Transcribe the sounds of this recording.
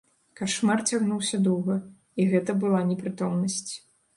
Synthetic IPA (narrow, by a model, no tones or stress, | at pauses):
kaʂmart͡sʲaɣnuwsʲɐd̪ɔwɣɐ | iɣɛt̪ɐbɨlˠanʲɛpɾɨt̪ɔmnɐsʲt͡sʲ